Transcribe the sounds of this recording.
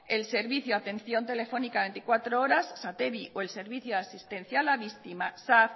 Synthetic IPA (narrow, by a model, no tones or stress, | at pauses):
else̞ɾβiθjoat̪ẽ̞nθjo̞nt̪e̞le̞fo̞nikaβe̞nt̪i̥kwat̪ɾooɾasːat̪eβioe̞lse̞ɾβiθjoðasist̪e̞n̟θjaːlaβist̪imasaθ